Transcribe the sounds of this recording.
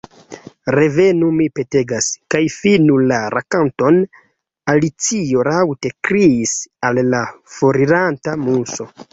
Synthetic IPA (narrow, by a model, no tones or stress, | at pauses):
ɾe̞ve̞numipe̞te̞ɡaskajfinulaɾʔakanto̞n | alit͡sio̞ɾawte̞kɾiːsalːafoɾiɾantamuso̞